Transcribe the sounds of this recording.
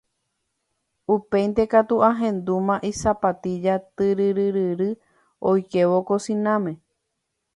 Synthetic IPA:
upe̞jnt̪e̞kat̪uʔaɦẽ̞nd̪umãʔisapat̪id͡ʒat̪ɨɾɨɾɨɾɨɾɨ | ojkeʋokosĩnãmẽ̞

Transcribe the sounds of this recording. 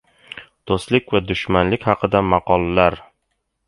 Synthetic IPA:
d̪̥ost̪lɪkʲvad̪ʊʃmanlɪkʲhɑqʰɨd̪amɑqʰɒlˠːaɾ

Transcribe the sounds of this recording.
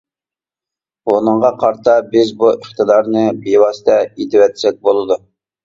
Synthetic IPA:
onɨɴʁɑqʰɑɾt̪ʰɑbɪzbuʔəχt̪ɨd̪ɑɾnɨbewɑsɨ̥t̪ɛet̪ʰɪwɛt̪ʰsɛk̪̚bolˠɨd̪u

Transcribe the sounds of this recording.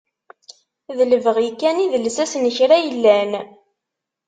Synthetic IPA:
ðələvəʁjkːæniðəlsæsnəçɾæjəlːæn

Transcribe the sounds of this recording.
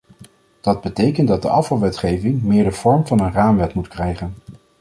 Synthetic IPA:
d̥ɑd̚bətejkəndɑdəʔɑfɑlˠʋɛtχejvɪŋmɪːɹdəv̥ɔɹmvɑnənraːmʋɛtmutkrɛjχən

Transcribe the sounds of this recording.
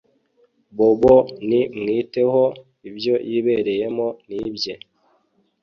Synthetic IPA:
boβonimŋiːte̞ho̞ | ibjo̞jʔiβe̞ɾe̞je̞mo̞nibje̞

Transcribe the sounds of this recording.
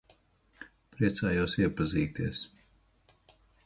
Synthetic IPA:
pɾiɛt̪saːjuɔsiɛpaziːt̪is

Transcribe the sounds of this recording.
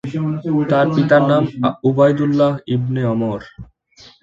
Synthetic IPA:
t̪aɾpit̪aɾnamubajd̪ulːaɦibneɔmɔɾ

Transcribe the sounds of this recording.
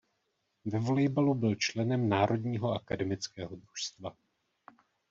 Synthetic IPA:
vɛvolɛjbalubɪlt͡ʃlɛnɛmnaːɾʔo̞dɲiːɦo̞akadɛmɪt͡skɛːɦo̞d̪ɾuʃst̪va

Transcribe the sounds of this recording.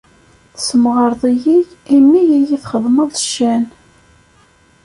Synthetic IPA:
θsəmʁəɾðˤijiʝimːijijiθχəðˤməðˤʃːæn

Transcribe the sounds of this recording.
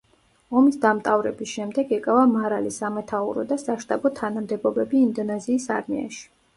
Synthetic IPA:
ɔmisd̪amt̪ʼavɾɛbisʃɛmd̪ɛɡɛkʼavamaɾalisamɛt̪ʰaṵɾɔ̰d̪asaʃt̪ʼabɔt̪ʰanamd̪ɛbɔbɛbiːnd̪ɔnɛziːsa̰ɾmḭa̰ʃi̥

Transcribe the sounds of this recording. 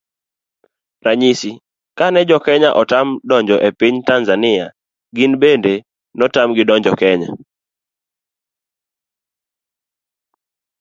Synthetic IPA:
raɲisi | kanɛd͡ʒɔkɛɲaʔɔtamdɔɲd͡ʒɔʔepiɲtanzanɪa | ɡinbende | nɔtamɡɪdɔɲd͡ʒɔkɛɲa̰

